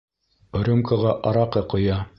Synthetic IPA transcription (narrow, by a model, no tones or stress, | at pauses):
ŏɾʲomkaʁɑʔɑɾɑqɤqŏjɑ